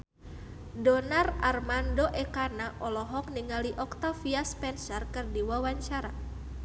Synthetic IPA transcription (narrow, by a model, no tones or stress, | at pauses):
dɔnararmandoʔɛkanaʔɔlɔɦɔk̚niŋaliʔɔkt̪afiaspɛnsərkɨrdiwawaɲt͡ʃaɾa